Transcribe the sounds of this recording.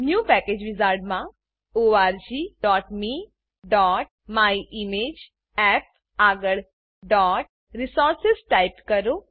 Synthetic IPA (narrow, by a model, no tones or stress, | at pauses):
njuːpɛked͡ʒʋɪzaːɾɖmã | oːaːɾd͡ʒiːɖɔːʈmi | ɖɔːʈ̚maiʔimeːd͡ʒ | ɛp̚ | aːɡəɭ | ɖɔːʈ̚ | ɾisɔːɾsɪsʈaɪpkəɾo